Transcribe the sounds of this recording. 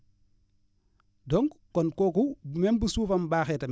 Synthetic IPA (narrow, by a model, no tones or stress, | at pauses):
dɔŋɡkɔnkoːkubmɛmbusuːfɐmbaːxɛːtɐm